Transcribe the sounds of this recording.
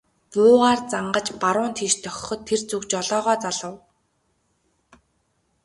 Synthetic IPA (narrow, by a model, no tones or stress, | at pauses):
t͡sʊːʁaːrt͡saɴɢə̆t͡ɕpaɾʊːnt̪ʰiːʃt̪ʰœx̆ʲχɞ̆t̪ʰːert͡sukt͡ɕɔɮɔːʁɔːt͡saɮə̆w